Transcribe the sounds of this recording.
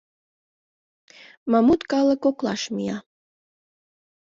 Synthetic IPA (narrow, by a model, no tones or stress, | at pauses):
mɑmut̪kɑləkoklɑʃmijɑ